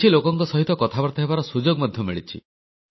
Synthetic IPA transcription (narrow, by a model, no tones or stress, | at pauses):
ilokɔŋkɔsɔɦit̪ɔkɔt̪ʰabɔɾt̪ɔɦebaɾɔsud͡ʒoɡmɔd̪ʱjɔmiɭit͡ʃʰḭ